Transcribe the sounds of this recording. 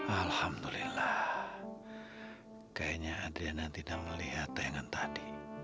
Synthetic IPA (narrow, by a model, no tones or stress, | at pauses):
ʔalhamd̪ulilah | kajaɲaːdianant̪idakməliɦat̪ajaŋant̪adi